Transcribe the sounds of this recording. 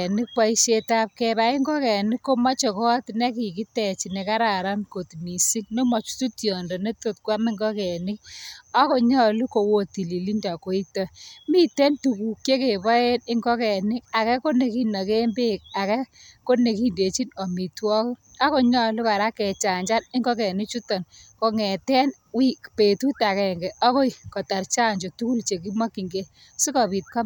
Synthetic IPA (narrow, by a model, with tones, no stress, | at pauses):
nɪ˦k̚pa˦i˦ʃe˧ta˦p̚kɛba˨ɪ˦ŋɡɔ˦kɛ˨nɪ˦kːo˦ma˦t͡ʃɔ˨kɔ˦tne˦ki˨ki˦tɛ˨t͡ʃi˨ne˨ka˦ɾa˨ɾa˦nko˨tmi˨si˦k̚no˦mɔ˨t͡ʃu̥˦tu˦tjɔ˨ndɔ˨ne˦to˦˨t̚kwa˦mɪ˦ŋɡɔ˦kɛ˨nɪ˦k̚a˦ko˦ɲɔ˦lu˦ko˨wo˦ti˨li˨li˦nda˨ko˦i˦tɔ˦mi˦tɛ˦ntu˨ku˨kje˦ke˨bɔ˦e˦nɪ˦ŋɡɔ˦kɛ˨nɪ˦k̚a˨kɛ˦ko˦ne˨ki˦nːɔ˨ke˦mbe˦k̚a˨kɛ˦ko˦ne˨ki˦nde˨t͡ʃi˦nɔ˨mi˨twɔ˦k | a˦ko˦ɲɔ˦lu˦ka˨ɾa˦kɛ˨t͡ʃa˨ɲd͡ʒa˦nɪ˦ŋɡɔ˦kɛ˨nɪ˦t͡ʃu˦tɔ˨nko˧ŋɛ˨tɛ˦n | wi˦kpe˨tu˦ta˨kɛ˨ŋɡɛ˨ʔɔ˦ko˦i˨kɔ˨ta˨ɾt͡ʃa˦ɲd͡ʒo˨tu˦ku˦lt͡ʃe˨ki˦ma˦ki˨ŋɡe˦ | si˦kɔ˨pi˨t̚ka˦m